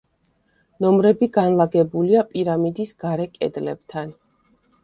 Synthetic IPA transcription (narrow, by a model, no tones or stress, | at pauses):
nɔmɾɛbiɡanlˠaɡɛbuliapʼiɾamid̪isɡ̥aɾɛkʼɛ̰d̪lɛb̥̚t̪ʰan